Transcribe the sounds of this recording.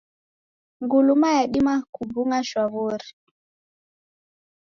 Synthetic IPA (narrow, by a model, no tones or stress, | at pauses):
ŋɡulumajaɗimakubuŋaʃwaβuɾi